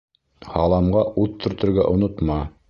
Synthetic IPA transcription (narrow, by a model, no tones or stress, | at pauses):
hɑlˠɑmɢɑʔuðt̪ʰːɵ̆ɾt̪ɘ̆ɾɡæʔŏnot̪mɑ